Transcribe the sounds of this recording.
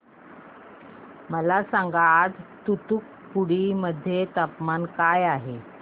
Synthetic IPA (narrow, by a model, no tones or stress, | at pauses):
məlasaŋɡad͡zt̪ut̪uk | puɽiməd̪ʱːjet̪apmankajaɦe